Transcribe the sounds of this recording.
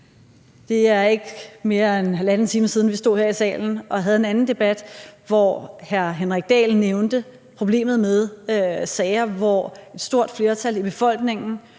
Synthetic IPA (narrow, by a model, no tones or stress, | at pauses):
d̥e̝æɐe̝ɡ̥me̝ːɐenɦælænt͡sʰiːməsið̞ˠn̩ʋisd̥o̝ð̰ˠheɐ̰isɛ̰ːln̩ɒ̽ɦæð̞̩ˠe̝nænn̩d̥e̝b̥æd̥ʋɒhæɐɦenʁaɡ̥̚d̥ɛ̰ːlnːeʊnd̥ə | pʰʁo̝b̥le̝̰ːmð̩ˠmeð̞ˠsɛːɪɐʋɒe̝d̥sd̥o̝ɐ̰d̥fle̝ːɐt͡sʰælib̥e̝fɒ̽l̰ɡ̥ne̝ŋn̩